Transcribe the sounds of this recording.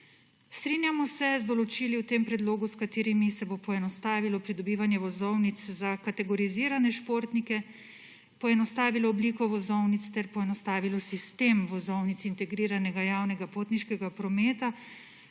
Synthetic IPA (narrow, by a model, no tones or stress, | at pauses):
st̪ɾiːnjamɔsɛzd̪ɔlɔt͡ʃiliwt̪eːmpɾɛd̪loːɡuskat̪eːɾimisɛbopɔɛnɔst̪aːʋilɔpɾid̪ɔbiːʋanjɛʋɔzɔwnit̪szakat̪ɛɡɔɾiziːɾanɛʃpoːɾt̪nikɛ | pɔɛnɔst̪aːʋilɔːbliːkɔʋɔzɔwnit̪st̪ɛɾpɔɛnɔst̪aːʋilɔsist̪eːmʋɔzɔwnit̪sint̪ɛɡɾiːɾanɛɡajaːwnɛɡapoːt̪niʃkɛɡapɾɔmeːt̪a